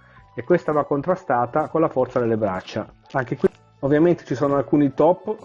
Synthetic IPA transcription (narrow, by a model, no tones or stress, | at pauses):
ekːwest̪avakːont̪ɾast̪aːt̪akonlafɔrt̪sad̪elːebɾa̰t͡ʃːa | aŋk̟ekwi | ovːjament̪e̥t͡ʃisoːnoalkuːnit̪ɔpː